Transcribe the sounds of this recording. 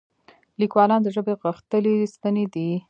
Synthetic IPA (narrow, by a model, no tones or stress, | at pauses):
likwɑlɑnd̪əʒəbeɣəxt̪əlest̪əned̪i